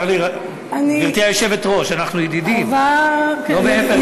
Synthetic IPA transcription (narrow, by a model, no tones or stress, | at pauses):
li | aniiʁt̪iajoʃevet̪ʁo̞ʃanaχnujid̪idimvalomeefe